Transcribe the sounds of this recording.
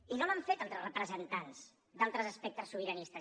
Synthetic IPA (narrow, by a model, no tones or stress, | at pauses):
inomaɱfet̪alt̪ɾərəpɾəzənt̪ans | d̪alˠt̪ɾəzəspɛk̚t̪əsːuβəɾənist̪ə